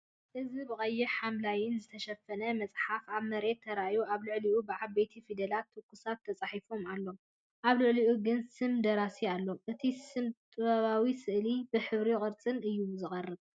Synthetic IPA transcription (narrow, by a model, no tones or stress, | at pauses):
ʔɨzibɨkʼɐjːɛħamlajɪnzɨt̪ʰɐʃɐfːɐnɐmɐt͡sʼħafaβmɐɾe̞t̪ʰːɐɾajuʔaβlɨʕliʔubɨʕaβet̪ʰifid̪ɐlat̪ʰːɨkʰːusat̪ʰːɐt͡sʼaħifo̞malːo̞ | ʔaβlɨʕliʔuɡɨnsɨmd̪ɐɾasialːo̞ʔɨt̪ʰisɨmt̪ʼɨβaβawisɨʔlibɨħɨβɾikʼɨɾt͡sʼɨnʔɨjːumzɨχʼɐrːɨβ